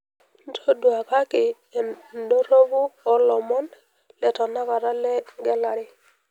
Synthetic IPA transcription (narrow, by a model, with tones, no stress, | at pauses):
n˦tʰo˦du˨a˨ka˦kɪ˨ | ndo˦ɾo˦βu˦ɔ˦lɔ˨mɔ˦n | lɛ˨tɔ˨na˦ka˨ɾa˦lɛ˦ŋɡɛ˦la˨ɾɪ˦